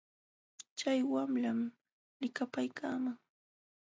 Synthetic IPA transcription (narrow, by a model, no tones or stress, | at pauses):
t͡ʃajwamlam | lɪkapajkʰaːmaŋ